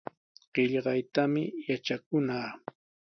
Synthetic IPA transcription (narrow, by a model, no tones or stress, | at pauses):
ɢ̥ɪʎɢɑjt̪amɪjat͡ʃakʊnaː